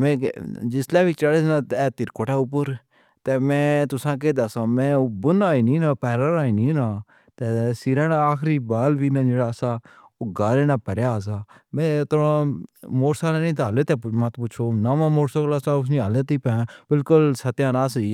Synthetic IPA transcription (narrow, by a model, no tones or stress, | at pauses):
mɛ̃ːd͡ʒɪslɛːbiːt͡ʃəɽesnãːt̪ɛːt̪ɪɾkoːʈaːʊp̬ʊɾ | t̪ɛːmɛ̃ːt̪ʊsãːk̬eːd̪aːsãːmɛ̃ːʊbʊnaːinĩːnãːpɛːɾaɾaːinĩːnãː | t̪ɛːsiɾãːnaaːkʰɾiːbaːlʋiːnãːd͡ʒeːɽaːsaː | oɡaːleːnãːpəɾjaːs̬aːmɛ̃ːt̪oɾãːmoːɽsaːlɛ̃ːnĩːt̪ːɦəleːt̪eːmãːt̪pʊt͡ʃʰoːnaːmãːmoːɾsaklasãːʊs̬nĩːɦəleːt̪iːpɛ̃ːbɪlkʊlsət̪jãːnãːsiː